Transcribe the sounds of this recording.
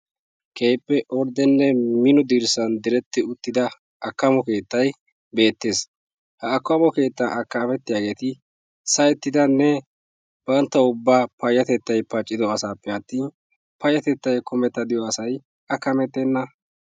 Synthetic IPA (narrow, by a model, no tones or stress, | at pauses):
kʰe̞ːpːɛʔɔɾd̪ɛnːɛmɪnɔd̪iɾsɐnd̪ɪɾɛt̪ːɪʊt̪ːɪd̪ɐ | ʔɐkːɐmɔke̞ːt̪ːɐj | be̞ːt̪ːe̞ːs | hɐːkːɐmɔke̞ːt̪ːɐʔɐkːɐmɛt̪ːɪjaːɡe̞ːt̪ɪ | sɐjɛt̪ːɪd̪ɐnːɛ | b̥ɐnt̪ːɐʊbːaːpɐjːɐt̪ɛt̪ːɐjpɐt͡ʃʼːɪd̪ɔɐsaːpːɛɐt̪ːiːn | pɐjːɐt̪ɛt̪ːɐjkɔmɛt̪ːɐd̪ɪjɔɐsɐj | ɐkːɐmɛt̪ːenːɐ